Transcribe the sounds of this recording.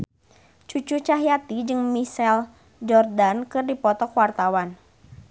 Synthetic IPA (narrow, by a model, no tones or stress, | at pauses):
t͡ʃut͡ʃut͡ʃaɦiat̪id͡ʒɨŋmisɛl | d͡ʒɔrdankɨrdipɔt̪ɔkwart̪awan